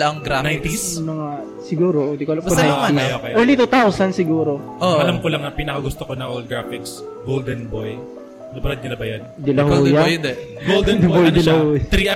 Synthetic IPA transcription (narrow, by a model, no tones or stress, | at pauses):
ɡɾanaj̪t̪ismɐŋa | sɪɡuːɾoʔod̪ikoʔɐlamponajtiɐjjokɐjʔɛɹlit̪ut̪awsɐnsɪɡuːɾoʔoʔɐlamkolɐŋɐpinɐkɐɡʊst̪okonɐʔolɡɾafiks | ɡold̪ɛnboj | lɐbɐɾɐd̪̚ɲɪnɐbɐjɐnd̪ɪlɐɦjad̪ɛ | ɡold̪ɛnbojd̪ɪlhot̪ɾi